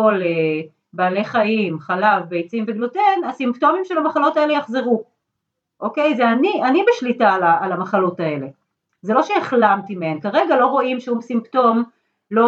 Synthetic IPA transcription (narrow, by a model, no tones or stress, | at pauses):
ole | baːle̞χaimχalavbejt͡simveɡlotenasimpto̞mimʃelamaχalo̞taelejaχzeʁu | ʔo̞kejzeanianibeʃlitalaʔalamaχalo̞tae̞le̞ | zelo̞ʃeeχlamtimeenkaʁeɡalo̞ʁo̞imʃeusimpto̞m | lo